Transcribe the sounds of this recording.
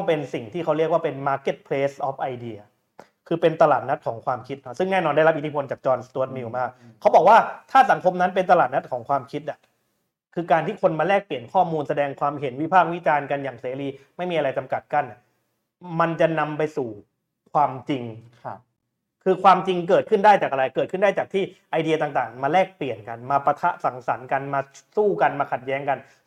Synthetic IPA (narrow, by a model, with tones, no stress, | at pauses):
ɔ˥˩pe˧nsi˨˩ŋt̪ʰiː˥˩kʰa˦˥wɾi˥˩ək̚waː˥˩pe˧nmaː˧ke˧˥˩t̪̚pʰleː˦˥sʔɔ˦˥p̚ʔa˧jdi˧ɐ | kʰɯː˧pe˧nt̪a˧laː˨˩t̪̚na˦˥t̪̚kʰɔː˩˦ŋkʰwaː˧mkʰi˦˥t̪̚nɔ˦˥sɯ˥˩ŋnɛː˥˩nɔː˧nda˥˩jɾa˦˥ʔi˦t̪ʰiː˥pʰo˧nt͡ɕaː˨˩k̚t͡ɕɔː˧nst̪u˧˦t̪̚mi˧˩wmaː˥˩k̚ | kʰa˦˥wbɔː˨˩k̚waː˥˩t̪ʰaː˥˩sa˩˦ŋkʰo˧mna˦˥np̬e˧nt̪̬a˧laː˨˩t̪̚na˦˥t̪̚kʰɔː˩˦ŋkʰwaː˧mkʰi˦˥t̪̚ʔa˨˩ | kʰɯː˧kaː˧nt̪iː˥˩kʰo˧nmaː˧lɛː˥˩k̚pli˨˩ə˩nkʰɔː˥˩muː˧nsa˧dɛː˧ŋkʰwaː˧mɦe˩˦nwi˦˥pʰaː˥˩k̚wi˦˥t͡ɕaː˧nka˧njaː˨˩ŋseː˩˦ɾiː˧ma˥˩jmiː˧ʔa˧ɾa˧jt͡ɕa˧mka˨˩t̪̚ka˥˩nʔa˨˩ | ma˧nt͡ɕa˨˩na˧mpa˧jsuː˨˩ | kʰwaː˧mt͡ɕi˧ŋ | kʰɯː˧kʰwaː˧mt͡ɕi˧ŋk̬ɤː˨˩t̪̚kʰɯ˥˩ndaː˥˩jt͡ɕaː˨˩k̚ʔa˧ɾa˧jkɤː˨˩t̪̚ʰɯ˥˩ndaː˥˩t͡ɕaː˨˩k̚t̪ʰiː˥˩ʔa˧jdi˧ɐ˧t̪aː˨˩ŋt̪aː˨˩ŋmaː˧lɛː˥˩k̚pli˨˩ənka˧nmaː˧pa˧t̪ʰa˦˥ʔsa˩˦ŋsa˩˦nka˧nmaː˧suː˥˩ka˧nmaː˧kʰa˨˩t̪̚jɛː˦˥ŋka˧n